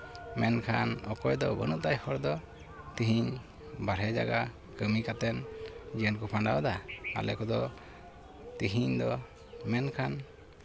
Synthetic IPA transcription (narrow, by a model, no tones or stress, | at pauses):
mɛnkʰanɔkɔjd̪ɔbənuʔt̪ajhɔɾd̪ɔ | t̪iɦiɲ | baɾɦɛd͡ʒa̰ɡa | kəmikat̪ɛnd͡ʒiənkupʰaɳɖawd̪aa̰lɛkɔd̪ɔ | t̪iɦiɲd̪ɔ | mɛnkʰan